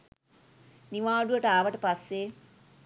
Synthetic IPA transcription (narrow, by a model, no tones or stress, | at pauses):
niʋaːɖuʋəʈəaːʋəʈəpasːe